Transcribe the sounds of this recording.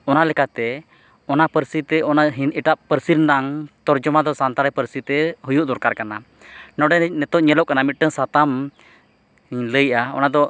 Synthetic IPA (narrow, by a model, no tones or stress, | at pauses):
ɔnalɛkat̪ɛ | ɔnapəɾsit̪ɛɔnaɦiniʈaʔpəɾsiɾnaŋt̪ɔɾd͡ʒɔmad̪ɔsant̪aɾɛpəɾsit̪ɛɦujuʔd̪ɔɾkaɾkana | nɔɖɛnɛt̪ɔʔɲɛlɔʔkanamit̪̚ʈəŋsat̪am | ləjʔaɔ̰nad̪ɔ